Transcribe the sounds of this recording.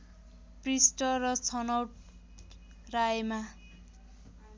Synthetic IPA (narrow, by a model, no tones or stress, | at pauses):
prisʈʌrʌt͡sʰʌnʌwʈ̚ | rajema